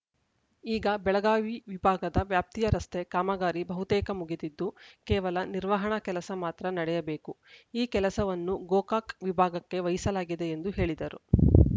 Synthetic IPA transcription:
iːɡɐbɛɭɐɡaːʋiʋibʱaːɡɐd̪ɐʋjaːp̚t̪ijɐɾɐst̪e̞kaːmɐɡaːɾibɐɦut̪ɛːkɐmuɡit̪id̪ːukɛːʋɐlɐniɾʋɐɦɐɳɐkɛlɐsɐmaːt̪ɾɐnɐɽɛjɐbeːkuiːkɛlɐsɐʋɐnːuɡoːkaːkʋibʱaːɡɐkːe̞ʋɐjisɐlaːɡid̪e̞end̪uɦe̞ːɭid̪ɐɾu

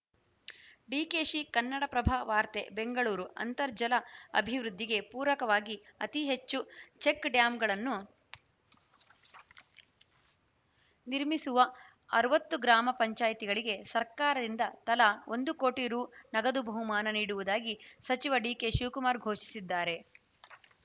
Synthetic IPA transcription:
ɖiːkeːʃikɐnːɐɽɐpɾɐbʱaʋaːɾt̪ḛbe̞ŋɡɐɭuːɾuʔɐ̰nt̪ɐɾd͡ʒɐlɐɐ̰bʱiʋɾud̪ʱːiɡe̞puːɾʋɐkɐʋaːɡiɐt̪iɦet͡ʃːut͡ʃe̞kɖjaːmɡɐɭɐnːu | niɾmisuʋɐ | ɐ̰ɾuʋɐt̪ːuɡɾaːmɐpɐɲt͡ʃaːjit̪iɡɐɭiɡe̞sɐɾkaːɾɐd̪ind̪ɐt̪ɐlɐo̞nd̪ukoːʈiɾuːnɐɡɐd̪ubʱɐɦumaːnɐniːɽuʋud̪aːɡisɐt͡ʃiʋɐɖiːke̞ʃuːkumaːɾɡʱo̞ːʂi̥sid̪ːaːɾe̞

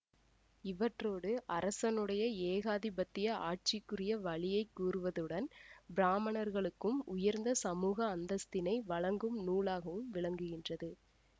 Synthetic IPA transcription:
ɪʋɐʈroːɽɯʔɐɾɐsɐnɯɽɐjɐeːɣaːðɪbɐt̪ːɪjɐʔa̰ːʈ̚t͡ʃɪkːɯrɪjɐʋɐɭɪjɐɪkːuːrɯʋɐðɯɽɐnbɪɾaːmɐnɐɾɣɐɭɯkːɯmʊjɐɾnd̪ɐsɐmuːɣɐːnd̪ɐst̪ɪnɐɪʋɐɭɐŋɡɯmnuːɭaːɣɐʋɯmʋɪɭɐŋɡɯɣɪndrɐðɯ

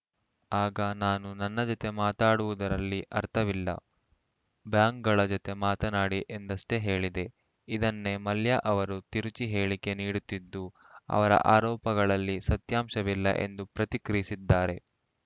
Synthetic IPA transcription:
aːɡɐnaːnunɐnːɐd͡ʒɔt̪e̞maːt̪aːɽuʋud̪ɐɾɐlːiʔɐɾt̪ʰɐʋilːɐ̰ | bjaːŋk̚ɡɐɭɐd͡ʒɔt̪e̞maːt̪ɐnaːɽiʔe̞nd̪ɐʂʈe̞ɦe̞ːɭid̪e̞ | id̪ɐnːe̞mɐljaʔɐʋɐɾut̪iɾut͡ʃiɦe̞ːɭike̞niːɽut̪ːid̪ːu | ɐ̰ʋɐɾɐ̰ʔaːɾɔːpɐɡɐɭɐlːisɐt̪jaːmʃɐʋilːɐ̰ʔe̞̰nd̪upɾɐt̪ikɾisid̪ːaːɾe̞

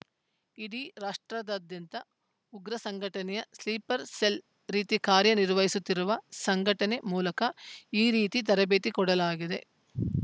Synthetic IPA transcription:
iɽiɾaːʂʈɾɐd̪ɐd̪jɐnt̪ɐ | uɡɾɐsɐŋɡʱɐʈɐnɛjɐsliːpɐɾsel | ɾiːt̪ikaːɾjɐniɾʋɐɦisut̪ːiɾuʋɐsɐŋɡʱɐʈɐne̞muːlɐkɐiːɾiːt̪it̪ɐɾɐbeːt̪ikɔɽɐlaːɡid̪e̞̰

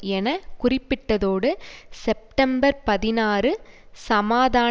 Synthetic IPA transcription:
ɛnɐkʊrɪpːɪʈːɐðoːɽɯsɛp̚ʈɐmbɐɾpɐðɪnaːrɯ | sɐmaːðaː

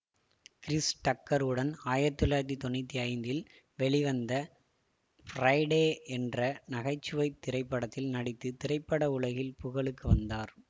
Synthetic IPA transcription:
kɪɾɪsʈɐkːɐɾɯɽɐnaːjɐt̪ːɯlaːt̪̬ːit̪ɔɳɪt̪ːiɐɪnd̪ɪl | ʋɛɭɪʋɐnd̪ɐ | fɾɐɪɽeːɛndrɐnɐɣɐɪt͡ʃːɯʋɐɪt̪ːɪɾɐɪpːɐɽɐt̪ːɪlnɐɽɪt̪ːɯt̪ɪɾɐɪpːɐɽɐʊɭɐɣɪlpʊɣɐɭɯkːɯʋɐnd̪aːɾ

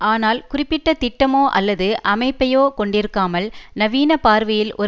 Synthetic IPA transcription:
aːnaːlkʊrɪpːɪʈːɐt̪ɪʈːɐmoːʔɐlːɐðɯʔɐmɐɪpːɐjoːkɔɳɖɪɾɯkːaːmɐlnɐʋiːnɐpaːɾʋɐjɪlʔɔ

